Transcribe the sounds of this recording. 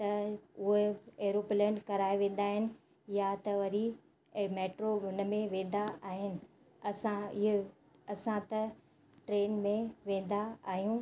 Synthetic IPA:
t̪ɐʊɦeeːɾoplənkɐɾaːiʋẽːn̆d̪aːɦɪnɪ̆ | jat̪ɐʋɐɾi | meːʈɾoʊn̆mẽʋẽːn̆d̪aʔaːɦɪnɪ̆ | ɐsãɪɦ | ɐsãt̪ɐ | ʈɾeːnmẽʋẽːn̆d̪aaːɦijũː

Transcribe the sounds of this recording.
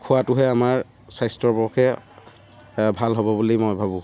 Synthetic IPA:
kʰuwatʊɦɛamaɹ | sajstɔɹbɔkʰɛ | bʱalɦɔbɔbulimojbʱabʊ̃

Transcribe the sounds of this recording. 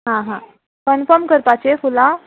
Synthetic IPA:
ɦãɦã | kənfəɾmkəɾpat͡ɕefulã

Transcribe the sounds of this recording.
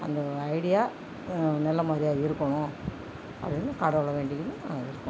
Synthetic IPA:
ɐ̰nd̪ɐɐɪɽɪjaː | nɛlːɐmaːd̪ɾɪjaːɪɾɯkːɐɳʊ̃ | ɐ̰pɽɪnd̪ɯkaːɽɐʋɐɭɐʋeːɳɖɪŋɯnːɯna̰ːŋɡɐɪɾɯkːẽ

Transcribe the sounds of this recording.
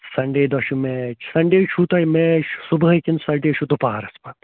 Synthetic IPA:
sɐɳɖeːd̪ɐʃumet͡ʃʰsɐɳɖeːt͡ʃʰut̪ɐimesubɐkʲinsɐɖeːʃʰud̪upaːɾɐspɐt̪

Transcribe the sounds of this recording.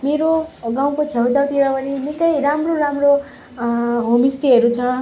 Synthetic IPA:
meɾoɡãw̃kot͡sʰʌwt͡sawt̪iɾʌpʌninikʌjɾamroɾamro | ɦomisʈiɦʌɾut͡sʰʌ

